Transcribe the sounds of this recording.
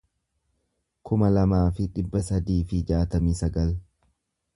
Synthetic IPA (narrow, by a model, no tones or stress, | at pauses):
kʊmɐlɐmaːfɪᶑɪbːɐsɐd̪iːfɪd͡ʒaːt̪ɐmiːsɐɡɐl